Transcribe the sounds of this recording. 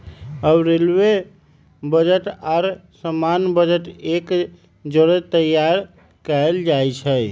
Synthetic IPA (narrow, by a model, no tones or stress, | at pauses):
əbɾelwe | bəd͡ʒəʈaɾsəmanbəd͡ʒəʈek | d͡ʒoɾet̪əjaɾ | kəld͡ʒajt͡ʃʰəj